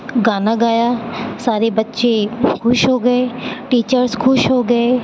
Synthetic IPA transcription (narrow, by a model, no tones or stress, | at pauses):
ɡaːnaɡaːjasaːɾebətːʃekʰʊʃɦoːɡəeʈiːt͡ʃəɾskʰʊʃɦoɡɐe